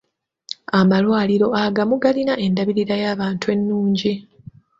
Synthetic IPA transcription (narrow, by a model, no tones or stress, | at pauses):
amalwaːliɾo̞aɡamuɡalinaʔe̞ndaβiɾiɾajaːβaːntue̞nːuːɲɟi